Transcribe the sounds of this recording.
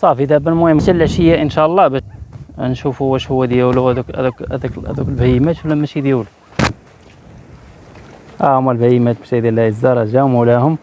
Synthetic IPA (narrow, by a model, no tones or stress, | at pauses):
sˤɑfid̪æbælmuhəmːtælːʕʃəjːæʔənʃæʔlˤːɑbænʃufhwæʃhʊwæd̪jæwluæd̪uk̪kæ̰d̪ækæ̰d̪uklbæjəmæt̪ulæmːæʃid̪jæwlu | ʔæʊmælbæjmæt̪̚bʃæd̪ælæəzːɑɾˤɑʒæʊmlæhʊm